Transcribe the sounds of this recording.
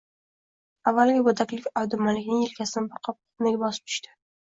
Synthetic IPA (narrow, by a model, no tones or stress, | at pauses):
avːalɡʲabɵd̪akʲlɪkʲawd̪ʊmanlɪkʲnɪŋɪlkʲʰasɪnɪbɪɾqʰɒp̚q̪ | naɡʲɪbɒsɪ̥p̚t̪ʰʊ̥ʃt̪ʰɪ̥